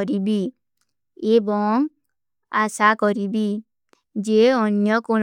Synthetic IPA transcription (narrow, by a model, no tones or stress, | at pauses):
ɾibi | ebɔŋ | asakɔɾibi | d͡ʒeɔnjɔkoɽ